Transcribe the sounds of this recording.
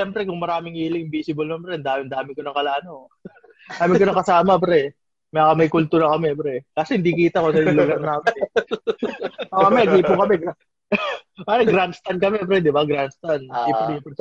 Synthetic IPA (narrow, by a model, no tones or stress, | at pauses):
ɛmpɾɛkʊŋmɐɾaːmɪŋʔiːlɪŋɪmbiːsɪbolmɐmbɾɛnd̪aːmɪnd̪aːmɪkonɐŋkɐlaːno | nd̪aːmɪkonɐŋkɐsaːmɐpɾɛ | mɐjakɐmɐjkʊlt̪uːɾɐkɐmɛbɾɛkaːsɛhɪnd̪iːkiːt̪ɐkosɐjlʊɡɐɾnaːɐmɪn | ʔokɐmɛnɐɡiːpʊŋkɐmɛɡ | maɾɐɡɾanst̪ɐnkɐmɛpɾɛd̪ɪbaɡɾanst̪aniːpʊpʊn